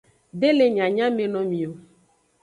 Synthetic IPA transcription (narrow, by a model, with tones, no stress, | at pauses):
ɖe˦le˨ɲã˨ɲã˦me˨nɔ̃˨mĩ˨o˨